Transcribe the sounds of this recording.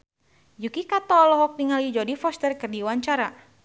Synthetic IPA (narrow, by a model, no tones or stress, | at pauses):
d͡ʒukikat̪ɔlɔɦɔk̚niŋalid͡ʒɔdifɔst̪ərkɨrdiwaɲt͡ʃaɾa